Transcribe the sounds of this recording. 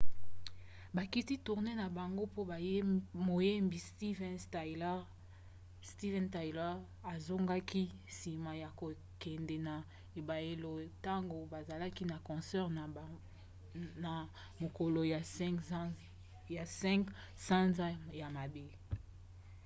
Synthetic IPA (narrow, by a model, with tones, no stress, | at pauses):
ba˨ki˦ti˦tu˨ʁne˦na˨ba˨ŋɡo˦po˦˨˦mo˨je˦mbi˨sti˦vɛ˦ntl | sti˦vɛ˦nta˨jlɔ˦ʁ | a˨zo˦ŋɡa˦kʰi˦ | si˨ma˨ja˨ko˨ | kɛ˨ndɛ˨na˨ | e˨ba˨je˨lo˨ta˦ŋɡo˨ba˨za˨la˦ki˦na˨kɔ̃˨sɛ˦ʁ | na˨ | mo˨ko˨lo˨ja˨ | ja˨sɛ̃˦ŋk | sã˦nza˦ja˨ma˨be˦